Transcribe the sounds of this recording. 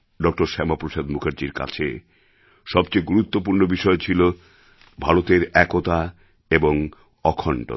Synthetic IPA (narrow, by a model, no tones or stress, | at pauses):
ɖɔk̚ʈoɾʃɛmapɾoʃad̪mukʰaɾd͡ʑiɾka̰t͡ɕʰḛ | ʃɔbt͡ɕejɡuɾut̪ːop̬uɾnobiʃɔet͡ɕʰilo | bʱaɾot̪eɾɛkot̪a | eboŋ | ɔkʰɔɳʈo̰